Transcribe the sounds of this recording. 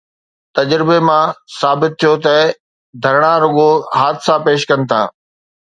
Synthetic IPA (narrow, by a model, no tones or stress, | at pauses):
t̪ɐd͡ʑɾɪbemãsaːbɪt̪ʰːijot̪ɐ | d̪ʱɐɾɽ̃aɾʊɠoɦaːd̪sapeːʃkɐnɪ̆t̪ʰã̰ː